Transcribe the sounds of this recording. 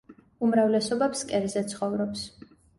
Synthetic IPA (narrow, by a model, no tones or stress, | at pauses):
umɾavlɛsɔbɛpskʼɛɾzɛt̪sʰχɔvɾɔps